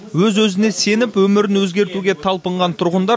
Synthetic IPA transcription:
wɵzwɵzɪne̞se̞nɪpwɵmɪɾɪnwɵzɡʲe̞ɾt̪uɡʲe̞t̪ʰɑlˠpəɴʁɑnt̪ʰʊɾʁənd̪ɑ

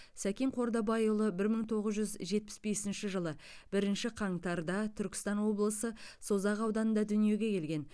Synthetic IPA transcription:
sækʲeŋqʰo̞ɾd̪ɑbɑjolˠəbɪɾməɴt̪ʰo̞ʁəzʒʏzʒe̞t̪̚pɪ̥sbe̞sɪnʃɪʒəlˠəb̥ɪɾɪnʃɪqʰɑɴt̪ɑɾd̪ɑt̪ʰʏɾkʲɪ̥st̪ɑnwo̞blˠəsəso̞zɑqɑwd̪ɑnənd̪ɑd̪ʏnije̞ɡʲe̞kʲʰe̞lɡʲe̞n

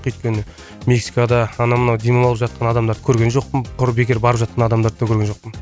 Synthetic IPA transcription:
qʏjt̪kʲe̞nɪ | me̞ksi̥kad̪ɑɑnɑmənɑwd̪emɑɑlˠəpʒɑt̪qʰɑnɑd̪ɑmd̪ɑɾd̪ə̥kʲʰɵɾɡʲe̞nʒo̞qpəmqʰʊɾbe̞kʲe̞ɾbɑɾəpʒɑt̪̚qɑnɑd̪ɑmd̪ɑɾd̪d̪ɑkʲʰɵɾɡʲenʒo̞q̚pəm

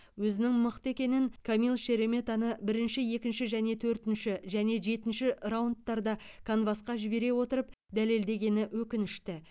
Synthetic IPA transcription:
wɵzɪnɪŋməqt̪əekʲe̞nɪŋkʰomilˠʃe̞ɾe̞me̞t̪ɑnəbɪɾɪnʃɪje̞kʲɪnʃɪʒæne̞t̪ʰɵɾt̪ɪnʃɪʒæne̞ʒe̞t̪ɪnʃɪrawunt̪ːɑɾd̪ɑkʰonvɑsqɑʒɪbe̞ɾe̞wo̞t̪əɾəp̚ | d̪æle̞ld̪e̞ɡʲe̞nɪwɵkʲɪnɪʃt̪ɪ

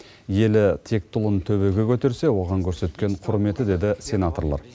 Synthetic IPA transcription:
je̞lɪt̪ʰe̞k̚t̪ʰʊlˠənt̪ʰɵβe̞ɡʲekʲʰɵt̪e̞ɾse̞wo̞ʁɑŋkʲʰɵɾse̞t̪kʲe̞ɴqʰʊɾme̞t̪ɪd̪e̞d̪ɪsʲe̞nat̪o̞ɾlˠɑ̰ɾ

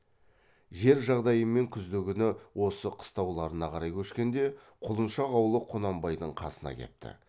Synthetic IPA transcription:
ʒe̞ɾʒɑʁd̪ɑjəme̞ŋkʲʰʏzd̪eɡʲɪnɪwo̞səqʰə̥st̪ɑwlˠɑɾənɑqʰɑɾɑjkʲʰɵʃkʲe̞nd̪e̞ | qʰʊlˠənʃɑʁɑwlˠəqʰonɑmbɑjd̪əɴqʰɑ̰sənɑ̰kʲʰḛp̚t̪ʰɪ̰

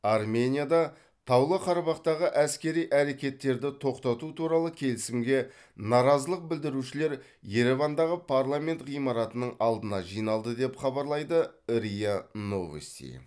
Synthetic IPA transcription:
ɑrmʲe̞nʲijad̪ɑ | t̪ʰɑwlˠəqʰɑɾɑbɑqt̪ɑʁəʔæskʲe̞ɾijʔæɾe̞kʲe̞t̪ːe̞ɾd̪ɪt̪ʰo̞qt̪ɑt̪ut̪ʰuɾɑlˠəkʲʰe̞lɪsɪmɡʲe̞ | nɑɾɑzəlˠəq̚bɪld̪ɪɾuʃɪle̞ɾ | je̞ɾe̞vand̪ɑʁəpʰaɾlˠamʲe̞nt̪ʁijmɑɾɑt̪ənəɴɑlˠd̪ənɑʒijnɑlˠd̪əd̪e̞pχɑbɑɾlˠɑjd̪əɾijano̞vḛst̪ḭ

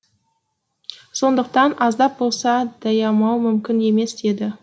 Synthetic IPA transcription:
so̞nd̪əq̚t̪ɑnʔɑzd̪ɑp̚bo̞lˠsɑd̪̥ɑjɑmɑwmʏmkʲɪne̞me̞sd̪̥e̞d̪ɪ

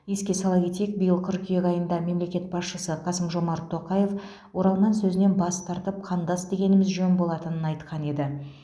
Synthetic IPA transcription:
je̞skʲe̞sɑlˠɑkʲe̞t̪e̞k̚bɪjəlˠkʰʲʏɾkʲʰʏjekʲɑjənd̪ɑme̞mle̞kʲe̞t̪̚bɑsʃəsəqʰɑsəmʒo̞mɑɾt̪ʰːo̞qɑje̞f | wo̞ɾɑlˠnɑnsɵzɪne̞nbɑst̪ʰɑɾt̪əp̚qʰɑnd̪ɑsd̪e̞ɡʲe̞nɪmɪzʒɵnbo̞lˠɑt̪ənənɑjt̪qʰɑne̞d̪ɪ

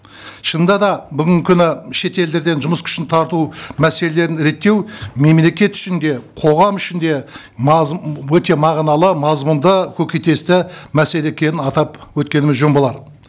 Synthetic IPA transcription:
ʃənd̪ɑd̪ɑbʏɡʲɪŋkʲʰʏnɪʃe̞t̪e̞ld̪e̞ɾd̪e̞nʒʊməskʲʰʏ̥ʃɪnt̪ʰɑɾt̪umæse̞le̞le̞ɾɪnɾe̞t̪ːe̞wme̞mle̞kʲe̞t̪ʏ̥ʃɪnd̪e̞qʰo̞ʁɑmʏʃɪnd̪e̞ | mwɵt̪e̞mɑʁnɑlˠəmɑzmʊnd̪əkʲʰɵkʲet̪e̞st̪ɪmæse̞le̞ekʲʰe̞nɪnɑt̪ɑpwɵt̪kʲe̞nɪmɪzʒombolˠɑɾ

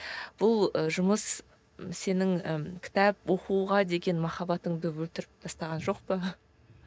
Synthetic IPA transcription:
b̥ʊlˠəʒʊməs | se̞nɪŋəkʲʰɪ̥t̪æpwo̞quʁɑd̪e̞ɡʲe̞nmɑχɑbɑt̪əɴd̪əwɵlt̪ɪɾɪp̚t̪ʰɑst̪ɑʁɑnʒo̞qpə

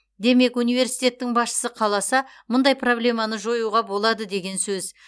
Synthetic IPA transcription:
d̪e̞me̞kunijve̞ɾsijt̪e̞t̪ːɪŋbɑsʃə̥səqʰɑlˠɑsɑ | mʊnd̪ɑjpro̞blʲe̞mɑnəʒo̞juʁɑbo̞lˠɑd̪əd̪e̞ɡʲe̞nsɵz

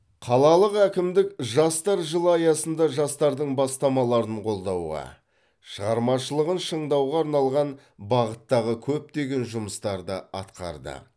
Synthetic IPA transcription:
qʰɑlˠɑlˠəqækʲɪmd̪ɪkʒɑst̪ɑɾʒəlˠəɑjɑsənd̪ɑʒɑst̪ɑɾd̪əɴbɑst̪ɑmɑlˠɑɾəɴqʰo̞lˠd̪ɑwʁɑ̰ | ʃəʁɑɾmɑʃəlˠəʁənʃəɴd̪ɑwʁɑːɾnɑlˠʁɑn | bɑʁət̪ːɑʁəkʲʰɵp̚t̪e̞ɡʲe̞nʒʊməst̪ɑɾd̪əɑt̪qɑ̰ɾd̪ə̰

